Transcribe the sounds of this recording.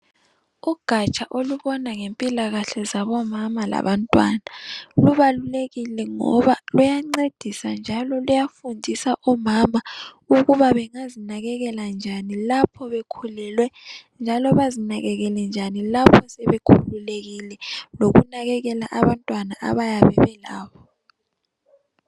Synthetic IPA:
uɡ̥ʱat͡ʃʼaʔoluβɔnaŋempʼilaɣaɬɛzaβɔmamala̰βantʼwa̰naluβaluleɣilɛŋɔ̰βalujaŋ͡ǀed̥ʱisand͡ʒʱalɔlujafundʱisaʔɔmama | uɣuβaβɛŋazinaɣɛɣɛland͡ʒʱanilapʰɔβekʰulɛlwɛnd͡ʒʱalɔβazinaɣɛɣɛlɛnd͡ʒʱanilapʰɔsɛβekʰululeɣilɛloɣunaɣɛɣɛlaʔaβantʼwanaʔa̰βajaβɛβɛla̰ːβɔ

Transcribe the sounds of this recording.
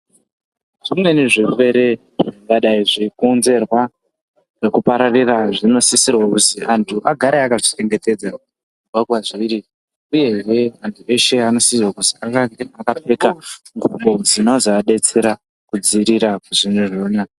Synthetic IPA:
ʐimwe̞niʐife̞ɾe̞ | ʐŋɡaɗaiʐikunze̞rwa | ʐekupaɾariraʐino̞sisirwakutiantʰuʔaɡʱaɾeakat͡ʃi̥t͡ʃe̞ŋɡe̞te̞d͡za | uɡʱaɡʱwaʐiiɾi | uje̞ʐe̞antʰuʔe̞ʃe̞ano̞sisirwakutiakaakape̞kaŋɡuɓo̞d͡zino̞zaaɗe̞t͡se̞ɾa | kud͡ziɾiɾakuʐineʐoːna

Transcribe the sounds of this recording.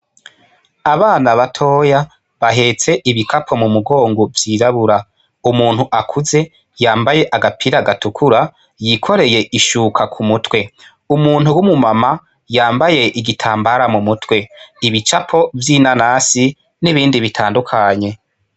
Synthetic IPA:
aβaːnaβatʰo̞ːja | βaɦe̞ːt͡se̞ʔiβikapʰo̞mumuɡo̞ːŋɡovjiːɾaβuɾa | umuːn̥huʔakʰuze̞ | jaːmbaje̞ʔaɡapʰiɾaɡatukʰuɾa | jikʰo̞ɾe̞je̞ʔiʃukʰakʰumutwe̞ | umuːn̥uwumumama | jaːmbaje̞ʔiɡitʰaːmbaɾamumutwe̞iβit͡ʃapʰo̞vjinanasi | niβiːndiβitʰaːndukʰaɲe̞

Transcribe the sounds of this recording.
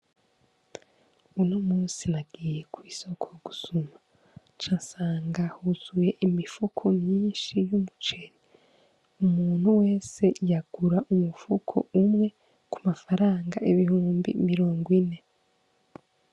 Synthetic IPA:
unomuːnsinaɡ̥ijekwiːso̞kʰo̞ɡusuma | t͡ʃasaːŋɡahuz̥uje̞ʔimifukʰo̞mɲiːnʃijumut͡ʃe̞ɾi | umuːn̥huwe̞ːse̞jaɡ̥uɾaʔumufukʰo̰ʔumŋe̞ | kumafaɾaːŋɡa̰ʔiβihuːmbḭmiɾo̞ːŋɡwine̞

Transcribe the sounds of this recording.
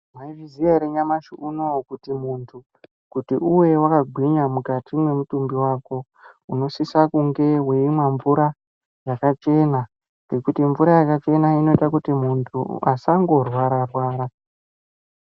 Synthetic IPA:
maivizijaɾeɲamaʃuunokutimuntʰu | kutiʔuwe̞wakaɡʱwiɲamukatʰimwe̞mutumbiwaːko̞ | uno̞sisakuŋɡe̞ɦwe̞imwaɱvuɾa | jakat͡ʃe̞na | ŋɡe̞kutiɱvuɾajakat͡ʃe̞naino̞itakutimuntʰṵasaŋɡo̞rwaɾarwaːɾa

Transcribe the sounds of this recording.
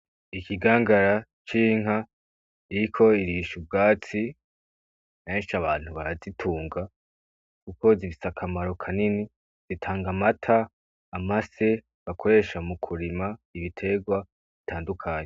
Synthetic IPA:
ikʰiɡaːŋɡaɾa | t͡ʃiːŋ̥ha | iɾikʰo̞iɾiːʃub̚ɡaːt͡si | meːnʃaβaːn̥huβaɾazitʰuːŋɡa | kuko̞ziβisakʰamaɾo̞kʰanini | z̥itʰaːŋɡamatʰaː | mase̞ | βakʰo̞ɾe̞ʃamukʰuɾimaiβitʰe̞ɡwa | βitʰaːndukʰaːɲe

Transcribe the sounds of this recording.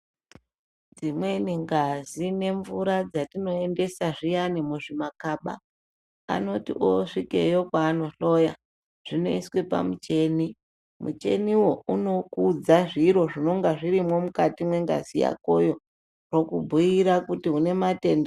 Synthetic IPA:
d͡zimwe̞niŋɡazine̞ɱvuɾad͡zatino̞e̞nde̞saʐijanemuʐimakaɓa̰ | a̰no̞tḭʔoʂike̞̰jo̞kwaːnoɬo̞ja | ʐ̥ine̞̰iswe̞pa̰mut͡ʃe̞ːni | mṵt͡ʃe̞̰niwo̞uno̞kud͡zaʐiɾo̞ʐino̞ŋɡaʐiɾimo̞mukatimwe̞ŋɡa̰zija̰kojo̞ | ro̞kubʱuiɾakutiɦune̞mate̞nda

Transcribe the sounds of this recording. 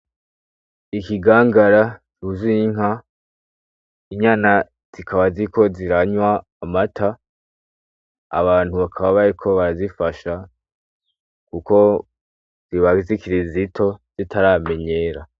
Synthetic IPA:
ikiɡaːŋɡaɾatuziŋa | iɲana | z̥ikʰaβazikʰo̞ziɾaɲwaː | matʰa | a̰βaːn̥huβakʰaβaβaɾikʰo̞βaɾazifaʃa | kuko̞ | z̥iβaɡizikiɾizitʰo̞z̥itʰaɾame̞ɲe̞ɾa

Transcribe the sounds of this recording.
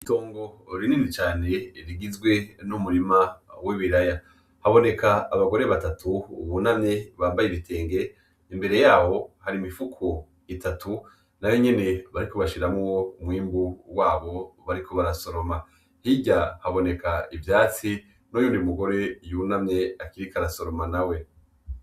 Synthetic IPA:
ito̞ːŋɡo̞ɾiniːnit͡ʃaːne̞ɾiɡizɡwe̞numuɾimawiβiɾaja | haβo̞ne̞kʰaːβaɡo̞ɾeβatatʰuːβunamɲe̞βaːmbajeβitʰe̞ːŋɡe̞ | imbe̞ɾe̞jaːho̞haɾimifukʰo | itʰatʰu | naweɲe̞ne̞βaɾiko̞βaʃiɾamowomwiːmbuwaːβo̞βaɾikʰo̞βaɾaso̞ɾo̞ma | hiɟahaβo̞ne̞kaivjaːt͡si | nojuːndiumuɡo̞ɾe̞junamɲe̞akiɾikaɾasoɾo̞manawe̞

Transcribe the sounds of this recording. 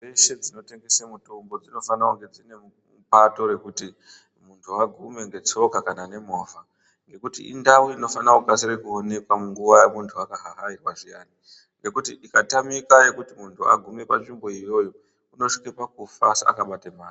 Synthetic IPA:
eʃe̞d͡zino̞te̞ŋɡesemuto̞mbo̞d͡zino̞fanauŋɡe̞d͡zine̞ | pato̞ɾe̞kuti | muntʰuaɡʱume̞ŋɡe̞t͡so̞kakanane̞moːva | ŋɡe̞kutḭḭndawuino̞fanakukasirekuone̞kwamuŋɡuʋajamuntʰuakaɦaɦairwaʐijaːni | ŋɡe̞kutiʔikatamikajekutimuntʰua̰ɡʱumepat͡ʃimbo̞ijo̞ːjo̞ | uno̞ʂi̥kepakufasa̰kaɓatemaːri

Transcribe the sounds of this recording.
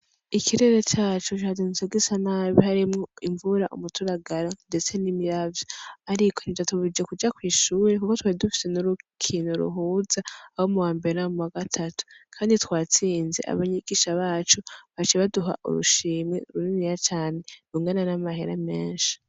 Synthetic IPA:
ikiɾe̞ɾet͡ʃaːt͡ʃut͡ʃadinzeɡisanaβihaɾimŋoiɱvuɾaʔumutʰuɾaɡaɾande̞t͡se̞nimiɾavjoaɾikʰonid͡ʒatuβid͡ʒekud͡ʒakwiːʃuːɾekukotwaːidufi̥se̞nuɾukʰinuɾṵɦuːzaːhomuwaːmbe̞ɾenamuwaɡatʰatu̥kʰaːnditwaːt͡siːnze̞̰ʔa̰βaɲiɡiːʃaβaːt͡ʃuβat͡ʃiβaduɦa̰ʔṵɾṵʃiːmiuɾuninijat͡ʃaːne̞nuŋɡenanamaɦeɾame̞ːnʃi̥

